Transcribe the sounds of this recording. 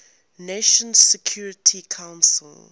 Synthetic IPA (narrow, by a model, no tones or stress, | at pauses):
neʃə̃nzsɛkʰjuːɹɪtʰikʰãʊ̃nsəl